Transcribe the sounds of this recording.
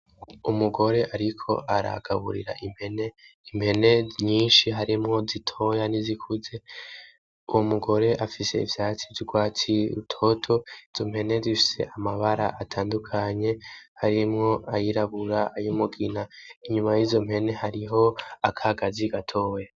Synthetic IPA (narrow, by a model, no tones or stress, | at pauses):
umuɡo̞ɾe̞ʔaɾikʰo̞̰aɾa̰ɡ̥a̰βṵɾḭɾa̰ʔim̥heneim̥he̞ne̞ɲiːnʃiɦaɾimŋo̞zitʰo̞janizikʰuze̞ | uwomuɡo̞ɾe̞ʔafise̞̰ḭvjaːt͡sivjiɡwaːt͡siṵtʰo̞tʰo̞iz̥o̞mhe̞ne̞zifi̥se̞̰ʔamaβaɾa̰ʔatʰaːndukʰaɲe̞haɾimŋo̞ajiɾaβuɾaːjumuɡinaiɲumajizo̞mhe̞ne̞haɾiɦo̞akʰaɡaziɡatʰo̞ːja